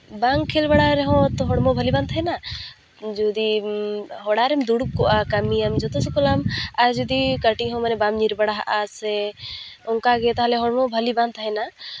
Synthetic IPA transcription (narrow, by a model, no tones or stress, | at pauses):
baŋkʰelbaɽaɾɛɦɔ̃t̪ɔɦɔɽmɔbʱəlibant̪ʰɦɛna | d͡ʒud̪i | ɦɔɽaɾɛmd̪uɽup̚kɔʔakamijamd͡ʒɔt̪ɔsɛkɔlamad͡ʒud̪ikəʈiɦɔ̃manɛbamɲiɾbaɽaɦa̰ʔasɛ | ɔŋkaɡɛt̪aɦalɛɦɔɽmɔbʱəlibant̪ʰəɦɛna